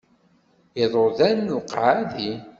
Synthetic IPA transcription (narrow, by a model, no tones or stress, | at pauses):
eðˤoðænːuqʕaði